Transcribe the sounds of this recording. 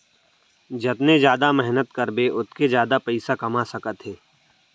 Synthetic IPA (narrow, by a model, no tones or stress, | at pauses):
d͡ʒɐt̪ned͡ʒjaːd̪amɛɦnət̪kɐɾbeʔʊt̪̚ked͡ʒjaːd̪apɛɪsakɐmasɐkət̪ɦeː